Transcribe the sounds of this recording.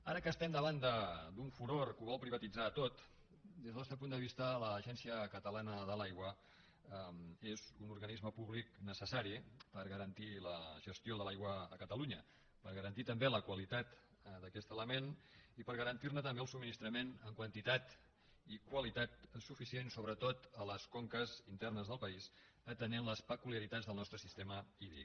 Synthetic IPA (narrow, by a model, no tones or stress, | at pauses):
aɾəkəst̪ɛmd̪əβand̪əd̪uɱfuɾoɾkuβɔlˠpɾiβ̞ət̪id͡zat̪ot̪ | d̪ezðənɔst̪əp̬und̪əβist̪ələʒɛnsiəkət̪əlanəðəlajɣwə | ɛmezunuɾɣənizməpuβliknəsəsaɾipəɾɣəɾənt̪iləʒəst̪joðəlajɣwəːkət̪əluɲə | pəɾɣəɾənt̪it̪əmbeləkwəlit̪at̪ | d̪əkɛst̪ələmenipəɾɣəɾənt̪irnət̪əmbeəlˠsubminist̪ɾəmenəŋkwənt̪it̪at̪ | ikwəlit̪at̪sufisiensoβɾət̪ot̪ələskoŋkəzint̪ɛrnəzðəlˠpəiz | ət̪ənenləspəkuliəɾit̪ad͡zðəlˠnɔst̪ɾəsist̪eməiðḭk